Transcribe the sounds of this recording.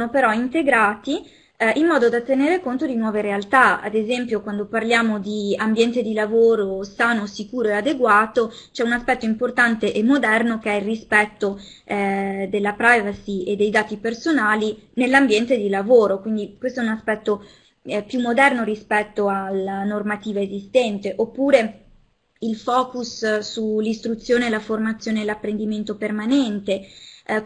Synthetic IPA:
nopeɾɔint̪eɡɾaːt̪i | ʔimːɔːd̪od̪at̪eneːɾekont̪od̪inwɔːveɾealt̪aa̰d̪ezɛmpjokwand̪oparljaːmod̪iambjɛnt̪ed̪ilavoːɾosaːnosikuːɾoead̪eɡwaːt̪ot͡ʃɛunaspɛt̪ːoimport̪ant̪eʔemːod̪ɛrnok̟eɛilrispɛt̪ːo | d̪elːapɾajvasied̪ːejd̪aːt̪ipersonaːlinelːambjɛnt̪ed̪ilavoːɾokwind̪ikwest̪oɛunaspɛt̪ːo | pjumːod̪ɛrnoɾispɛt̪ːoalanormat̪iːvaezist̪ɛnt̪eʔopːuːɾe | ilfɔːkussulːist̪ɾut̪sːjoːneːlaformat̪sːjoːneːlapːɾend̪iment̪opermanɛnt̪e

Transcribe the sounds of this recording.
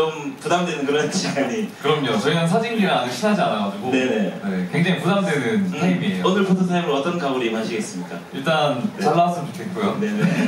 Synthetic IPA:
t͡ɕompudamdwenɯnkɯɾʌɕʰiɡaɲikɯɾʌmɲot͡ɕʌinans̬ʰad͡ʑiŋɡiɾanɯɕʰinɦad͡ʑiaɾaɡad͡ʑuɡone̞ne̞nekwe̞ŋd͡ʑaŋipudamdwe̞nɯnʰaimiejoonɯɭputʰʌsʰajaŋɯɾoʌt͈ʌnkaboɾiimɦaɕʰiɡe̞s͈ɯmɲik͈aiɭt͈ant͡ɕaɭːas͈ʰɯd͡ʑokʰek͈ojone̞ne

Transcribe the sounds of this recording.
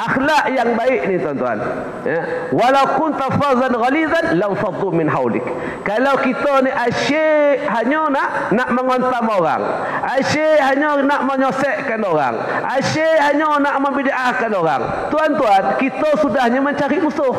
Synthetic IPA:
ʔaxlaʔjaŋbaɪʔnit̪uant̪ua̰n | jawalawkʊnt̪afɑzanɣalizanlamfɑd̪ˤumɪnɦawlɪ̰kː | alawkit̪oniʔaʃeɦaɲonaʔ | naʔməŋɔnt̪amoɾa̰ŋ | ʔaʃeɦaɲonaʔməɲɔsɛʔkanoɾa̰ŋ | ʔaʃeɦaɲonaʔməmbidaʔahkanoɾa̰ŋ | t̪uant̪uankit̪osudahɲaməɲt͡ʃaɾiʔmuso

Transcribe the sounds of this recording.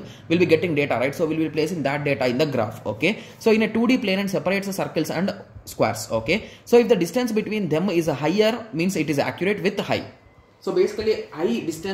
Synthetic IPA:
ʋɪlbiːɡeʈĩŋɖeːʈaɾaɪʈsoːʋilbipleːsĩŋd̪æʈ̚ɖeːʈaɪ̃nd̪ɐɡɾa̰ːfo̰ːkesoːɪ̃neʈuːɖiːpleːnɛ̃ɳɖsɛpəɾeːʈsəsɐɾkəlsɛ̰̃ɳɖskʋɛ̰ːɾso̰ːkesoːɪfd̪ɐɖɪsʈə̃nsbɪʈʋĩːnd̪ẽmɪzəɦaɪəɾmĩːnsɪʈizæ̰kjʊɾeːʈʋɪd̪ha̰ɪ | soːbeːsi̥kɐlihaɪɖɪsʈə̃

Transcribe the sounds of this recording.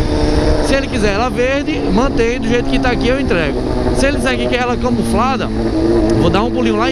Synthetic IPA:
sɪelɪkizɛlaveɾd̪ɪ | mɐ̃t̪ẽj̃d̪ʊʒejt̪ʊ̥kɪt̪aakiewẽnt̪ɾɛɡʊ | sɪelɪkizɛkikɪɛlɐkõmuflad̪ɐ | vod̪aũpulĩɲũla

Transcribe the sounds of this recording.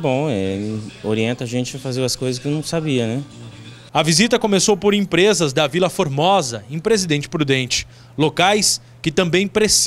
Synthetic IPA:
bõw̃ɛoɾiẽnt̪ɐʒẽt͡ʃɪfazeɾɐskojzɐskɪewnɐ̃w̃sabiɐnɛ | ɐvizit̪ɐkõmesowpoɾẽpɾezɐzd̪ɐvilɐfoɾmɔzɐẽpɾezid̪ẽnt͡ʃɪ̥pɾud̪ẽnt͡ʃɪ̥ | lokajs | kɪt̪ɐ̃mbẽj̃pɾes

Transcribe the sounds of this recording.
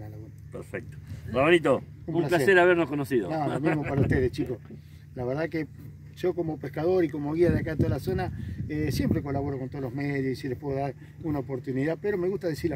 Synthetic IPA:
nalaɣunapḛɾfek̚t̪o̥baβonit̪oumumlasplaseeɾaβeɾnohkonosiðo̰nolomimo̞ppaɾauht̪eð̞est͡ʃiko̞s | laβeɾðake | ʒ̥o̞ko̞mo̞pehkaðoɾiko̞moɣiaðeakant̪oðalaso̞naesje̞mpɾe̞ko̞laβo̞ɾoko̞nt̪o̞ðoloɦmeðjosisilepwe̞ðoðaɾ | unaopo̞ɾt̪uniðapeɾo̞me̞ɣuht̪aðesiɾ

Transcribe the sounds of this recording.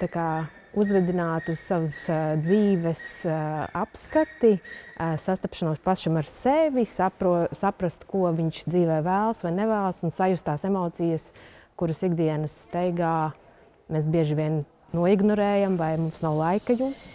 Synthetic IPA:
t̪akaː | uzvɛd̪inaːt̪ussaʋsd̪ziːvɛsapskat̪isast̪apʃanoɔspasʃimaɾseʋʲisapɾusapɾast̪kuɔvʲiɲʃd̪ziːʋɛːvæːlˠsʋajnɛvæːlˠsunsajust̪aːsemɔːt̪sijəskuɾɨsiɡd̪iɛnəsːt̪ɛjɡaː | meːs̬bʲiɛʒiʋʲiɛn | nuɔiɡnɔɾɛːjamvajmumsnawlˠajkajuːs

